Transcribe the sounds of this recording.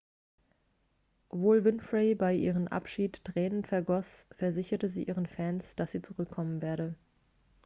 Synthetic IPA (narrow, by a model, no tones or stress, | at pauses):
vʊːlvɪnfʁeɪbaɪʔḭːʁ̞əmʔa̰pʃiːttʁ̥ɛːnənfɛɐɡɔsfɛɐzɪçɐtəziːʔiːʁ̞ənfɛnsd̥asz̥iːt͡suʁʏkʰːɔmənveːɐɾə